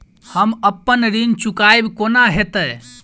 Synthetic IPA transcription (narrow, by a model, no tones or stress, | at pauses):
həməpːənɾint͡ʃukajbkonaɦet̪ə